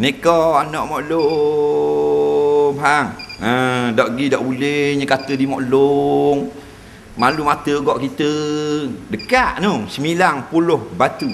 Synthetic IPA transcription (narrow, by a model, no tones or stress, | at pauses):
nekɔanɔʔmɔʔlo | paŋədɔʔɡidɔʔbuleɲəkat̪ədimɔʔloŋ | malumat̪əɡɔʔkit̪ə | dəkaʔnoŋsəmilaŋpulʊhbat̪u